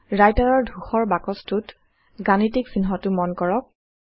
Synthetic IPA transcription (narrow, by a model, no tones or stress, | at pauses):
ɹajtaɹɔɹdʱuxɔɹbakɔstut | ɡanitiksinɦɔtʊmɔnkɔɹɔk̚